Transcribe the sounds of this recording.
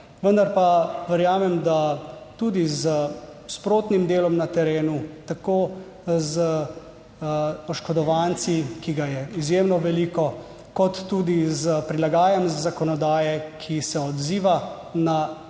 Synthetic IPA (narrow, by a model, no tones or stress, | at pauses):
ʋənd̪aɾpaʋəɾjaːmɛmd̪at̪uːd̪izəspɾoːt̪nimd̪eːlɔmnat̪ɛɾeːnut̪akoː | zə | ɔʃkɔd̪ɔʋant̪sikiɡajɛizjemnɔʋɛliːkɔ | kɔt̪ːud̪izəpɾilaɡaːjɛmzzakɔnɔd̪aːjɛkʰisɛɔd̪ziːʋa | na